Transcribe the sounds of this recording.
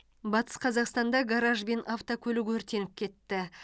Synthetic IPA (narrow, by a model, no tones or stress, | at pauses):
bɑt̪ə̥sqʰɑzɑqst̪ɑnd̪ɑɡaɾɑʒbe̞nʔɑft̪okʲʰɵlɪɡwɵɾt̪e̞nɪp̚kʲʰe̞t̪ːɪ